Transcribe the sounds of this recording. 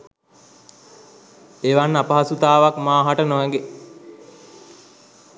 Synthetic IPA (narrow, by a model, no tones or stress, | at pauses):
eʋanːapəɦasut̪aːʋakmaːɦaʈənoʋæŋɡe